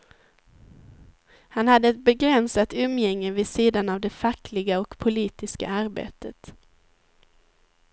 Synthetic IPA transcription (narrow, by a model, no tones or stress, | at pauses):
hanhad̪ːəɛt̪̚bɛɡɾɛnsat̪ɵmːjɛŋːəvɪsiːd̪anavd̪ɛfakːlɪɡaɔkpʰʊliːt̪ɪska̰aɾbḛːt̪ət̪